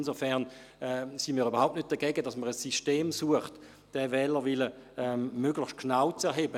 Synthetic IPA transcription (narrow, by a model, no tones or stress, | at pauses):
nsofɛʁn | ɛsinmiːʁybɐʁhaʊptnʏt̚d̥ɐɡɛːɡədɑsməʁəsiʃteːmsuəχt | d̥ɛvɛːləʋiləɛmmøɡlɪçʃtkʰnaʊt͡sɛɐɦeːbə